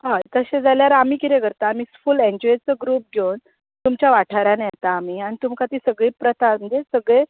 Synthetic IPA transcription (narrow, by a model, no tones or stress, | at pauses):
ɦãt̪əɕed͡zaljaɾamiːkit̪ekəɾt̪aːmiːfulẽɲd͡ʑɔjet͡səɡɾuːp̚ɡʱewn | t̪umt͡ɕjaʋaʈʰaɾanjɛt̪aːm̤iːañit̪umkat̪iːsəɡɭiːpɾət̪ʰatməɳd͡zesəɡɭe